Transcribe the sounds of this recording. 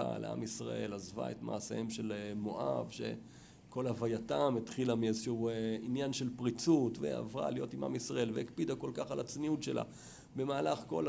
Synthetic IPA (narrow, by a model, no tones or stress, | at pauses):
a̰lea̰misʁa̰ʔe̞lazva̰etma̰ːseemʃe̞lmo̞ʔavʃe̞̰ | ko̞lavajatametχilamiazʃeueinjanʃe̞lpʁit͡sutvḛa̰vʁa̰lijo̞tima̰misʁaʔe̞lvehikpidako̞lkaχalat͡sniutʃe̞lʔa̰ | be̞maːlaχko̞̰l